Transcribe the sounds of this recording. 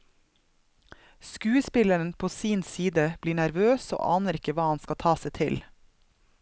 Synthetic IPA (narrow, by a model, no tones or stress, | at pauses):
skʉːəspɪlæən̩pʰoːsiːnsiːd̪əb̥liːɳæɾʋøːso̰ːʔɑ̰ːnəɾɪkəʋɑːɑnskɑt̪ʰɑːsɛɪt̪ʰɪl